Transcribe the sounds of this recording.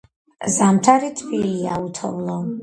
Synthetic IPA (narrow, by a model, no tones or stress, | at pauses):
zamt̪ʰaɾit̪ʰbiliaut̪ʰɔ̰vlˠɔ